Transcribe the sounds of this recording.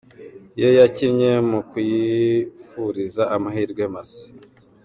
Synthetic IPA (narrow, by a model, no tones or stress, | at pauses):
jojacimɲe̞mukwjifuɾizaʔamaɦiːɾɡwe̞masi̥